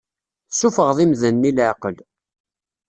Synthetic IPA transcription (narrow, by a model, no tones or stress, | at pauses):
sufəʁðˤimðənːilʕqəl